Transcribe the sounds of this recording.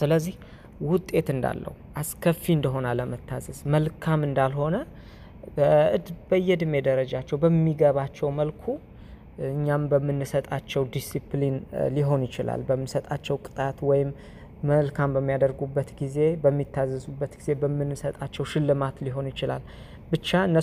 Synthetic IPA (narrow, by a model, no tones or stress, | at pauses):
sɨləzːih | wʊt̪ʼːe̞t̪ɨnd̪a̰lːə̰huʔaskʰəfːiɨnd̪əɦo̞naləmət̪ʰːazəzməlkʰamɨnd̪alho̞nə | ʔɨd̪bəjːɛd̪ɨme̞d̪əɾəd͡ʒat͡ʃːɛwbəmːiɡəβat͡ʃːɛwməlkʰu | ɨɲːambəmːɨnːɨsət̪ʼat͡ʃːɛwd̪isiplinliɦo̞njɪt͡ʃɪla̰lbəmːɨsət̪ʼat͡ʃːɛwkʼɨ̥t̪ʼat̪wɔjɪmː | əlkʰambəmːijad̪əɾɡubːət̪ɡize̞bəmːit̪ʰːazːəsubːət̪ɡize̞bəmːɨnːɨsət̪ʼat͡ʃːɛwʃɪlːɨmat̪liɦo̞njɪt͡ʃɪla̰l | bɨt͡ʃːaɨnːə